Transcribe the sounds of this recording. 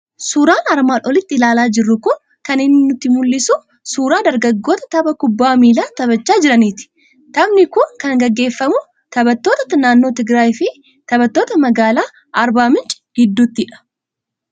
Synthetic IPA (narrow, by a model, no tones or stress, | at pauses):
suːɾaːnɐɾmaːnʔɔlɪt̪ːɪɪlaːlaːd͡ʒɪrːʊkʊn | kɐnɪnːɪnʊt̪ːɪmʊlːɪsu | suːɾaːd̪ɐɾɡɐɡːo̞ːt̪ɐ̥t̪ɐbɐkʊbːaːmiːlaːt̪ɐβɐt͡ʃːaːd͡ʒɪɾɐniːt̪ɪ̥ | t̪ɐbnɪkʊnkɐŋɡɐɡːe̞ːfːɐmʊ | t̪ɐbɐt̪ːo̞ːt̪ɐt̪ɐnaːnːo̞ːt̪ɪɡɾaːjɪfɪ | t̪ɐbɐt̪ːo̞ːt̪ɐmɐɡaːlaː | ɐɾbaːmɪnt͡ʃʼɪ̥ɡ̥ɪd̪ːuːt̪ːɪᶑɐ̥